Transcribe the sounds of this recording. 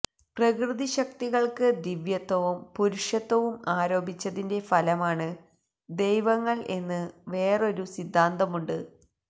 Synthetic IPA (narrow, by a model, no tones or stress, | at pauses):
prɐkrɨðiɕɐk̚t̪iɣɐɭkɨd̪iʋjɐt̪ːɐʋumpuɾuʂjɐt̪ːɐʋumaːɾo̞ːbʱit͡ɕːɐðinde̞fɐlɐmaːɳɨ | d̪e̞jʋɐŋːɐɭʔe̞nːɨʋe̞ːro̞ɾusid̪ʱːaːnd̪ɐmuɳɖɨ